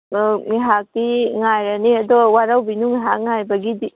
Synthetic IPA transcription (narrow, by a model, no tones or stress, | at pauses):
ŋiɦak̚diŋajɾɐniɐdɔwaɾawbinuŋiɦak̚ŋajbɐɡidi